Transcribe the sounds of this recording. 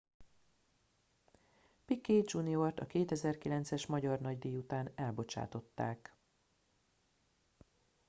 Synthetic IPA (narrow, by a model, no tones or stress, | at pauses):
pikːeːd͡ʒuniort̪ɒkeːt̪ɛzɛrkilɛnt̪sɛʃmɒɟɒrnɒɟd̪iːjut̪aːnɛlbo̞t͡ʃa̰ːt̪o̞t̪ːa̰ːk